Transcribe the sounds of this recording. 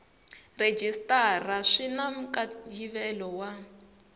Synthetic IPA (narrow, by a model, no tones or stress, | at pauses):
red͡ʒistʼaraʂinam̩kʼajiβɛlɔwa